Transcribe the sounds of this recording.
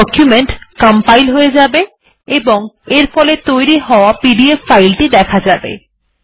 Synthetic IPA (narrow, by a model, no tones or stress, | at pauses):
ɔkjumeɳʈkəmpajlɦoed͡ʑabe | eboŋeɾfʰɔlet̪ojɾiɦɔoapiɖieffajlʈid̪ɛkʰad͡ʑabḛ